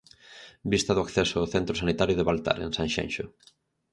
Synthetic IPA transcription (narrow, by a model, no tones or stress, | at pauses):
bist̪aðʊakθɛsoːθent̪ɾosanit̪aɾjʊðeβalt̪a̰ɾḛ̃nsaŋʃɛ̰̃nʃʊ